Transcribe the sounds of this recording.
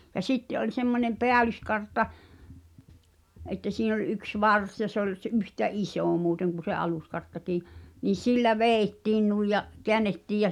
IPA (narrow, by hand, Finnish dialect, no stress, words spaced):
jɑ sitːe ʔolʲ semːonʲem peælyskɑrtːɑ ʔetːæ siːn olʲ yks ʋɑrs jɑ se olʲ s ʔyhtæ ʔisoˑ muːteŋ kun̞̆ se ɑluskɑrtːɑkiː niː silːæ ʋeːĭtːiːn nuij jɑ keænːetːiːj jæ